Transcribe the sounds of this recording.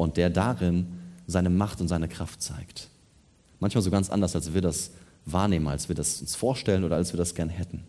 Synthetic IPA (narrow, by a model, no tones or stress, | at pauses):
ʔʊnt̚d̥eːɐdaʁɪnzaɪnəmaχtʊntz̥aɪnəkʁ̥aftt͡sa̰ɪkt | mançmaːlzoːɡant͡sʔa̰ndɐsalsv̥iːɐdas | vaːɐneːməna̰lsv̥iːɐdasʊnsfoːɐʃtɛlənʔoːɾɐalsv̥iːɐdasɡ̥ɛɐnhɛtn̩